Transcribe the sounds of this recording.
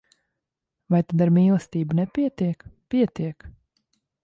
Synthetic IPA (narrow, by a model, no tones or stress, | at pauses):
vajt̪ad̪aɾmiːlˠɛst̪iːbunɛpiɛt̪iɛkpiɛt̪iɛk